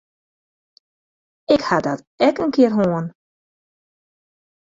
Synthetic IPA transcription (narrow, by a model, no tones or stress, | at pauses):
ɪkhadɔt | ɛkənkɪərɦoən